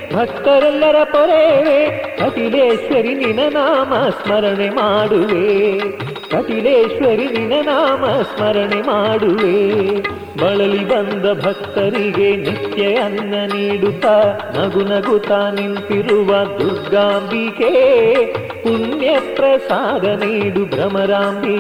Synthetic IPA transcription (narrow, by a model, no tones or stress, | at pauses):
bʱɐk̚t̪ɐɾɛlːɐɾɐpɔɾeʋek̪ʰɐʈileːʃʋɐɾininɐnaːmɐsmɐɾɐɳemaːɽuʋe | k̪ʰɐʈileːʂʋɐɾininɐnaːmɐsmɐɾɐɳemaːɽuʋeː | bɐɭɐlibɐnd̪ɐbʱɐk̚t̪ɐɾiɡenit̪jɐjɐnːɐniːɽut̪a | nɐɡunɐɡut̪aːnint̪iɾuʋɐd̪uɾɡaːmbike | puɳjɐt̪ɾɐsaːd̪ɐniːɽubɾɐmɐɾaːmbʱi